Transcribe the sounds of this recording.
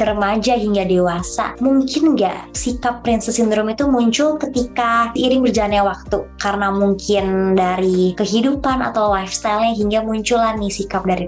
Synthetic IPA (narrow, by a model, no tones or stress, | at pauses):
t̪əɾəmad͡ʒaɦiŋɡadewasa̰muŋkɪnɡa̰ʔsikapːɾɪnsəsindɾɔmit̪umuɲt͡ʃʊlkət̪ikaiɾɪŋbərd͡ʒalanɲawak̚t̪ukaɾənamuŋkʰɪndaɾikəɦidupana̰t̪awlajfst̪ajlɲaɦiŋɡamuɲt͡ʃulanːisikap̚daɾi